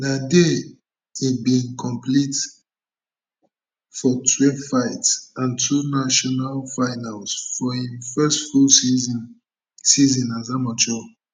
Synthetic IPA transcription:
dade | ibĩnkʰɔ̃mplit | fɔtʰwefaɪtsãntʰunaʃɔnalfaɪnalsfɔĩnfɛstfulz | sizĩnazamat͡ʃɔ

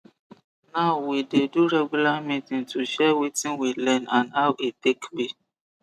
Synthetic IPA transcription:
naʊwideduɾɛɡulamĩtĩŋtʰuʃɛwitĩnwilɛ̃nãnawʔetekbi

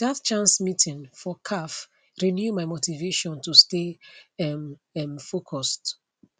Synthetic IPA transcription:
datt͡ʃãnsmitĩnfɔkʰaf | ɹinjumaɪmotiveʃɔ̃ntusteɛmɛmfokʰɔst

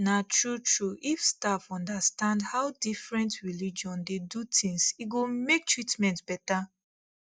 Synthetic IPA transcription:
natʰɹutʰɹuʔifstafɔ̃ndastãndhaʊdifɹɛ̃ntɹilid͡ʒɔ̃ndedutʰĩŋsiɡomek̚tʰɹitmɛ̃ntb̥ɛta

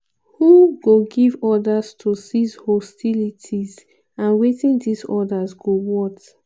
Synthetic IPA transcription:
huɡoɡivɔdastʰusizhɔstʰilitʰiz | ãnwetĩndisɔdazɡowɔt

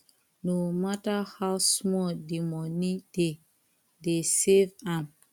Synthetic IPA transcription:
nomatahawsmɔdimɔnid̥e | desevãm

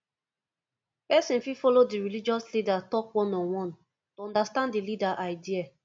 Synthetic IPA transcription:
pɛsĩnfifɔlodiɹilid͡ʒɔslidatɔkwɔ̃nɔ̃nwɔ̃n | toɔ̃ndastãndilidaʔaɪdia

